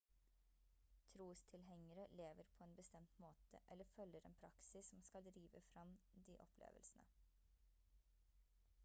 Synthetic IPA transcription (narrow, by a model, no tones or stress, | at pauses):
t̪ʰɾuːst̪ʰɪlhɛŋəɾəleːʋəɾpʰoːeːnbəst̪ɛmt̪moːt̪ə̰ʔɛləfœləɾḛːnpʰɾɑksɪssɔmskɑld̪ɾiːʋəfɾɑmd̪iːʔɔpʰlḛːʋəlsn̩ə̰